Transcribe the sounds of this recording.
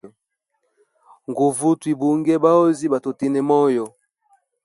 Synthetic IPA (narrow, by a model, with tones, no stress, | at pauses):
ŋɡu˨vu˦twi˨bu˨ŋɡɛ˦ba˦o˦zi˦ba˨to˨ti˦nɛ˨mɔ˦jɔ˨